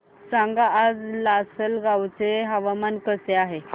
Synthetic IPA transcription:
saŋɡaːd͡zlasəlɡawt͡seɦəʋamankəseaɦe

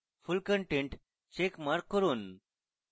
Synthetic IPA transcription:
fulkəɳʈẽɳʈ | t͡ɕekmaɾkːəɾuːn

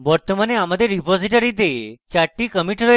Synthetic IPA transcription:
ʋəɾt̪əmaneamad̪eɾipɔziʈəɾit̪et͡ʃaɾʈːikəmiʈɾə

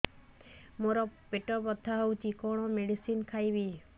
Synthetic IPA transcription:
moɾɔpeʈɔbɔd̪ʱaɦɔwt̪ikɔɽ̃ɔmeɖisinkʰajbi

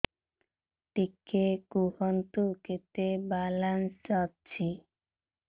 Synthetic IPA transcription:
ʈikekuhɔnt̪uket̪ebalansɔtːt͡ɕʰi

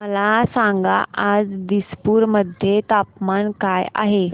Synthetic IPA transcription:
məlasaŋɡa̰ʔad͡zd̪ispuːɾməd̪ʱjet̪apmankaja̰ɦe

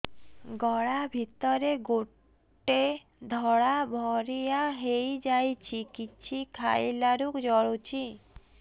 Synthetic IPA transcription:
ɡɔɽabʱit̪ɔɾeɡo | ʈːe | d̪ʱɔɽabʱɔɾijaɦejd͡ʒajt͡ɕʰikit͡ɕʰikʰajlaɾukd͡ʒɔɽot͡ʃʰi

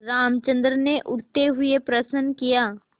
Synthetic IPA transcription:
ɾaːmt͡ʃə̃nd̪ɾəneʔʊɽt̪eɦʊepɾɐsənkijaː

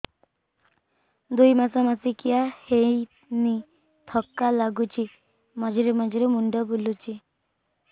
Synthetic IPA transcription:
d̪ujmasɔmasikijahej | ni | t̪ʰɔkːalaɡut͡ʃʰi | mad͡ʒiɾemad͡ʒiɾumuɳɖɔbulut͡ʃi

